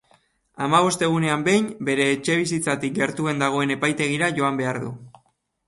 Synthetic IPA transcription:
amaβ̞o̞st̪e̞ɣ̞une̞ambe̞jnbe̞ɾe̞ːt͡ʃe̞β̞isit͡sat̪ik̚ɡe̞ɾt̪ue̞nd̪aɣ̞o̞e̞ne̞pajt̪e̞ɣ̞iɾaʝo̞ambe̞aɾðṵ

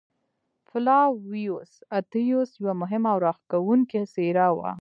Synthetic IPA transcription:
fɪlɑwijosat̪ijosjwamʊɦɪmaawɾɑxkawuŋkeseɾawa̰

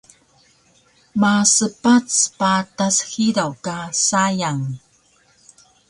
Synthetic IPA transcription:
masəpat͡spatasxiɾawkasajaŋ

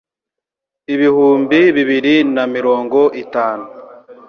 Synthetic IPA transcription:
iβihuːmbiβiβiɾinamiɾo̞ːŋɡo̞ʔitaːnu

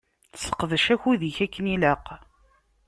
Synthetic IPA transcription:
θə̥sə̥qːðəʃæçuðiçækːəniləq

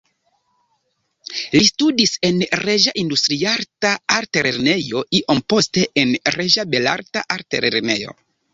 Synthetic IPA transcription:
listudise̞nɾeʒaʔindustɾiaɾtaaɾteɾeɾne̞jo̞iʔo̞mpo̞ste̞ʔenɾeʒabe̞la̰ɾtaʔaɾtḛɾeɾne̞̰jo̞̰

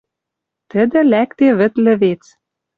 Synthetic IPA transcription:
t̪ə̆d̪ɘ̆lækt̪eβɘ̆t̪lɘ̆βet͡s

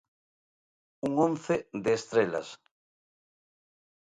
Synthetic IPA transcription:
uŋõnθed̪eːst̪ɾela̰s

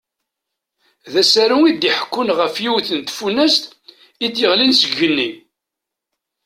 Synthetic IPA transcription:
ðæsæɾuid̪iħə̥kːʊnʁəfjiwθənt̪funːæst̪ | id̪jəʁlinsəɡənːi

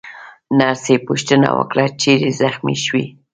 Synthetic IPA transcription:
naɾsepʊʃt̪əna̰wə̰kɽat͡ʃeɾezaxmiʃwi

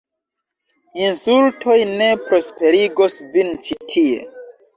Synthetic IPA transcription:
insultʰo̞jne̞pɾo̞spe̞ɾiɡosvint͡ʃitʰie̞̰

